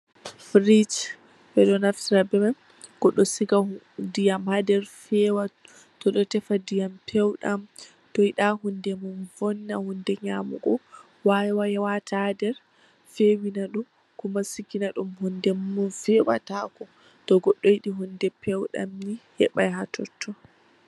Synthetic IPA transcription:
fɾit͡ʃ | bɛɗɔnaftiɾabɛman | ɡ̥ɔɗːɔsiɡa | dijamhadɛɾfɛwa | tɔɗɔtɛfadijampʰɛwɗam | tɔiɗahundɛmunvɔnːahundɛɲamɔ̰ɡɔ | wawajɛwatʰadɛɾ | fewinaɗɔ | kumasikinaɗumhundɛmmunfɛwa̰takɔ | tɔɡɔɗːɔjiɗiɦundɛpʰɛwɗa̰mnihɛ̰ɓajɦatɔtʰːɔ

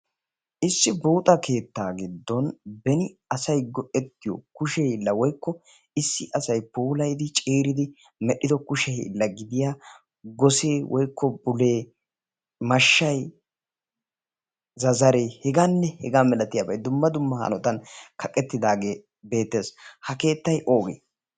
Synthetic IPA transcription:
ʔɪsːɪbuːt̪ʼɐke̞ːt̪ːaːɡɪd̪ːɔnbɛnɪɐsɐjɡɔʔɛt̪ːɪjɔ̰kʊʃɛɪlːɐwɔjkːɔ | ɪsːɪʔɐsɐjpuːlɐjd̪ɪt͡ʃʼeːɾɪd̪ɪ | mɛɗːɪd̪ɔkʊʃɛ̰lːɐɡɪd̪ɪjaː | ɡɔseːwʔɔjkːɔbʊleː | mɐʃːɐj | zɐzɐɾeːhɛɡanːɛhɛɡaːmɛlɐt̪ɪjabɐjd̪ʊmːɐd̪ʊmːɐhɐ̰nɔt̪ɐnkʰɐkʼːɛt̪ːɪd̪aːɡe̞ː | be̞ːt̪ːe̞ːshɐke̞ːt̪ːɐjʔo̞ːɡḛː

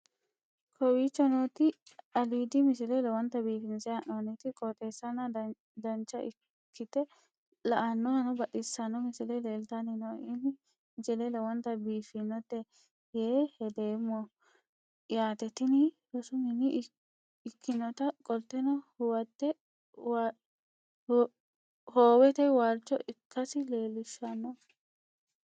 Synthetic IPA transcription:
kʰɔwiːt͡ʃːɔnoːt̪ɪɐliːd̪ɪmɪsɪlɛlɛwɔnt̪ɐbiːfɪnsɛɐnɔnɪt̪ɪkʼɔt̪ʼeːsːɐnɐ | d̪ɐnt͡ʃːɐʔɪ | kʰːɪt̪ɛ | lɐʔɐnːɔhɐnɔbɐɗɪsːɐnɔmɪsɪlɛleːlt̪anɪnɔɪn | d͡ʒɛlɛlɐwɔnt̪ɐbiːfɪnːɔt̪ːɛ | jeːhɛd̪eːmːɔ | ɪjaːt̪ɛt̪ɪnɪjɔsʊmɪnɪː | kʰːɪnɔt̪ɐkʼɔlt̪ːɛnɔhʊwɐt̪ːɛ | w | hoːwɛt̪ɛjwaːlt͡ʃːɔʔɪkːɐsɪleːlɪʃɐnːɔ

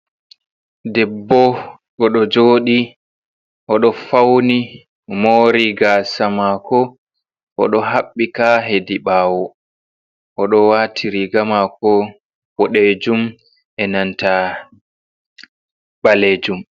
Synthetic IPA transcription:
dɛbːɔ | ɡɔɗɔd͡ʒoːɗi | ʔɔɗɔfawni | moːɾiɡasamakɔ | ʔɔɗɔɦaɓːikaɦediɓaːwɔ | ʔɔɗɔwatʰiɾiɡamakɔ | wɔɗed͡ʒum | ʔɛnanta | ɓaleːd͡ʒum

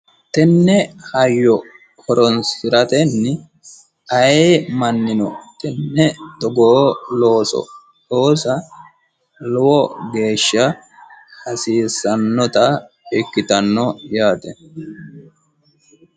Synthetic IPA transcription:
t̪ɛnːɛhɐjːɔ | kʰɔɾɔnsɪɾɐt̪ɛnːɪ | ɐjemɐnːɪnɔt̪ɛnːɛd̪̥ɔɡoloːsɔ̰ | loːsɐ | lɔwɔɡe̞ːʃːɐ | hɐsiːsɐnːɔt̪ɐ | ɛkːɪt̪ɐnːɔjaːt̪ɛ

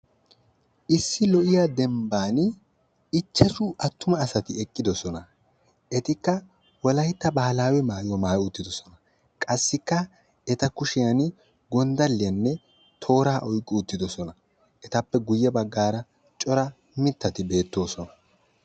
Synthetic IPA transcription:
ʔɪsːɪlɔʔɪjaːd̪ɛmbaːn | ɪt͡ʃːɛʃʊʔɐt̪ːʊmɐːsɐt̪ɪɛkʼːɪd̪ɔsɔnɐ | ɛt̪ɪkːɐ | wɔlɐjɪt̪ːɐbaːlaːwɛmaːjwɔmaːjʊt̪ːɪd̪ɔsɔnɐ | kʼɐsːɪkːɐ | ɛt̪ɐkʊʃɪjɐn | ɡɔnd̪ɐlːɪjɐnːɛ | t̪ʰo̞ːɾaːʔɔjkʼːɪʊt̪ːɪd̪ɔsɔnɐ | ɛt̪ɐpːɛɡʊjːɛbɐɡːaːɾɐ | t͡ʃʼɔɾɐ | mɪt̪ːɐt̪ɪbe̞ːt̪ːo̞ːsɔnɐ̥

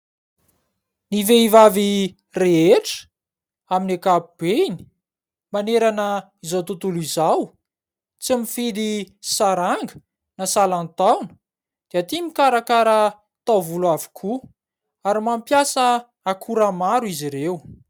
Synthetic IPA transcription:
niveivavi | reeʈ͡ʂə̥ | aminekapub̥eini̥ | maneɾanə | izawt̪ut̪ulizaw | t͡simifid̪i | saɾaŋɡə̥ | nasalant̪awnə̥ | d̪̥eat̪imikaɾakaɾə | t̪awvuluavi̥kʰu | aɾimampjasə | akʰuɾamaɾuiziɾew

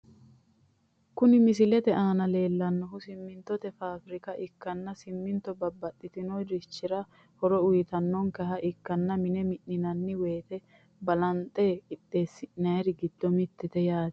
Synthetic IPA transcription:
kʊnɪmɪs̬ɪlɛt̪ɛʔaːnɐle̞ːlːɐnːɔɦʊsɪmːɪnt̪ːɔt̪ɛfaːfɾɪkɐʔɪkːɐnːɐsɪmːɪnt̪ːɔbɐbːɐt̪ʼːɪt̪ɪnɔjɾɪt͡ʃːɪɾɐ | hɔɾɔʊjɪt̪ɐnːɔŋkɐɦɐʔɪkːɐnːɐmɪnɛmɪʔːɪnɐnːɪweːt̪ɛ | bɐlɐnt̪ʼːeːɪtʼːe̞ːsːɪʔnɐjɾɪɡɪd̪̥ːɔmɪt̪ːɛt̪ɛjaːd̪

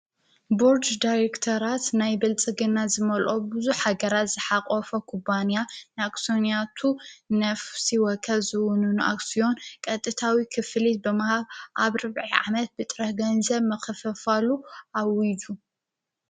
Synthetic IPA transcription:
boɾd͡ʒd̪aɾekt̪ʰɐɾat̪najbɐlt͡sʼɨɡɨnazɨmɐlʔobɨzuħhaɡɐɾat̪z̥ɨħaqʼɔfɐkʰubanjanɨakʼsonijat̪ʰunɐfsiwɔkʰɐlzɨwʊnunɨʔa̰ksijo̞nkʼɐt̪ʼːɨt̪ʰawikʰɨflit̪̚bɨmahaβʔaβɾɨβʕiʕa̰mɐt̪̚bɨt̪ʼɾɐħɡɐnzɐβmɐxfɐfaluawid͡ʒu

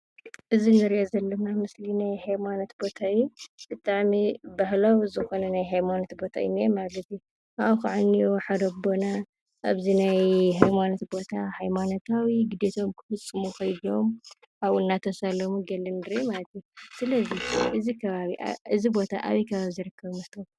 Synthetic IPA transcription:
ʔɨzinɨɾiʔozɐlːɐnamɨslinajhajmanot̪bo̞t̪ʰajub̥ɨt̪ʼaʕmibahlowzɨxo̞nɐnajɦajmanot̪bo̞t̪ʰa̰ɨ̰nemalɐt̪ju | ʔaʔxaʕanːioħad̪obo̞na | ʔaβzinajɦajmanot̪bo̞t̪ʰahajmanot̪ʰawiɡɨd̪et̪ʰo̞mkʰɨ̥fɨsʼɨmuxɐjd̪io̞m | aβunːat̪ʰɐsalɐmuɡɐlːɐnd̪ɨɾemalɐt̪jusɨlɐziʔɨzikʰɐβaβiʔɨzibo̞t̪ʰa̰ʔa̰βikʰɐβaβizɨɾɨkːɐβmɐt̪ʰom

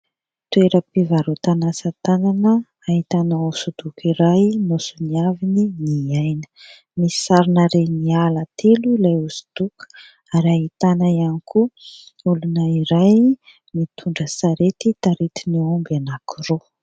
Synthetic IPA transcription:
t̪ueɾəpivaɾot̪anasət̪ananə | aɦit̪anausud̪̥ukiɾajnosuniavininiajnə̥ | mii̥saɾinəɾenialat̪ʰelulajusu̥d̪̥uku̥ | aɾiaɦit̪anəianikʰuulunəiɾaj | mit̪ʰuɳɖ͡ʐəsaɾet̪it̪aɾet̪iniombanakiro

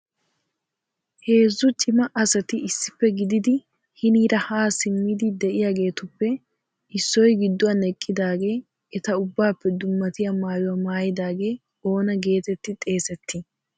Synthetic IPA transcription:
he̞ːzːʊt͡ʃʼɪmɐʔɐsɐt̪ɪɪsːɪpːɛɡɪd̪ɪd̪ɪ | hɪniːɾɐhaːsɪmːɪd̪ɪd̪ɛʔɪjaːɡe̞ːt̪ʊpːɛ | ɪsːɔjɡɪd̪ːʊwɐnɛkʼːɪd̪aːɡe̞ː | ɛt̪ɐʊbːaːpːɛd̪ʊmːɐt̪ɪjamaːjɔwɐmaːjɪd̪aːɡe̞ː | o̞ːnɐɡe̞ːt̪ɛt̪ːɪt̪ʼe̞ːsɛt̪ːɪ

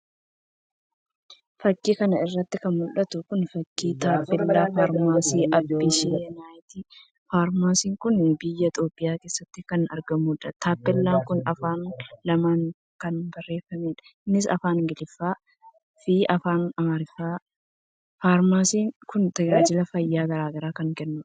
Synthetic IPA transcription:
fɐkːiːkɐnɐɪrːɐt̪ːɪkɐnmʊlʔɐt̪ʊkʊnfɐkːiːt̪aːpːɪlːaːfaːɾmaːsiːʔɐbːɪʃinaːjt̪iː | faːɾmaːsiːŋkʊnbɪjːɐt̪ʼoːpʼːɪjaːke̞ːsːɐt̪ːɪkɐnɐɾɡɐmuᶑɐt̪ʰaːpːɪlːaːŋkʊnɐfaːnlɐmaːŋ | kɐnbɐrːe̞ːfːɐmeːᶑɐ̥nɪsɐ̰faːnɡɪlɪfːaː | fiːʔɐfaːnɐmɐɾɪfaː | faːɾmaːsiːŋkʊnt̪ɐd͡ʒaːd͡ʒɪlɐfɐjːaːɡɐɾaːɡɐɾaːkɐŋkɛnːʊᶑɐ̥

